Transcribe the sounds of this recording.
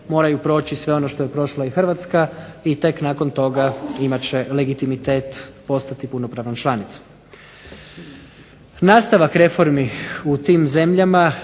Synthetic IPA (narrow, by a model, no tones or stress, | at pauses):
mo̞ːɾajupɾo̞ːt͡ɕisʋe̞o̞no̞ʃt̪ojepɾo̞ʃlaixr̩ʋat̪skait̪e̞knaːko̞nt̪o̞ɡaimat͡ɕe̞le̞ɡit̪imit̪e̞ːt̪po̞st̪at̪ipuno̞pɾaʋnant͡ʃlˠanit̪su̥ | naːst̪aʋakɾe̞fo̞ɾmiut̪iːmze̞mʎama